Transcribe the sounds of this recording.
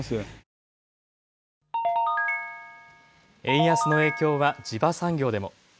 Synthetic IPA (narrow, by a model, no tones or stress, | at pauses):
sɨ | ẽ̞ɰ̃jasɨno̞e̞ːkʲo̞ːβad͡ʑibasãŋɡʲo̞ːd̪e̞mo̞̰